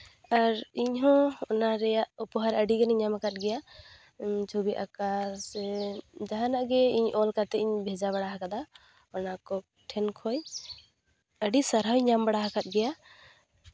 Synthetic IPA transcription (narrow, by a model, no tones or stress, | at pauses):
aɾiɲɦɔ̃ɔnaɾɛjaʔɔpɔɦaɾəɖiɡɛnɛɲamakat̪̚ˀɡɛja | t͡ʃʰubiʔa̰kasɛd͡ʒaɦanaʔɡɛiɲʔɔlkat̪ɛiɲbʱɛd͡ʒaβaɽaɦakad̪a | ɔnakɔ | ʈʰɛnkʰɔj | əɖisaɾɦawɲambaɽaɦakat̪̚ɡɛja